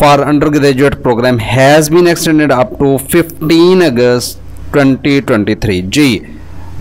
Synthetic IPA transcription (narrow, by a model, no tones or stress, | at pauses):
fɔːɾə̃ɳɖəɾɡɪd̪ed͡ʒueʈpɾoːɡɾæ̃ːmhɛːzbĩːnɛksʈɛ̃ɳɖɪɖəp̚ʈufɪfʈĩːnəɡəsʈ | ʈwɛ̃ɳʈiːʈwɛ̃ɳʈiːt̪ʰɾiːd͡ʒiː